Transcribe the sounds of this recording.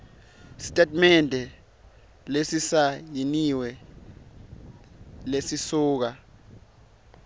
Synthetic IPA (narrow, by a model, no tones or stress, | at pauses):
si̥tʼɛtmɛndʱɛ | lesisajiniwɛ | lesisuːk̬a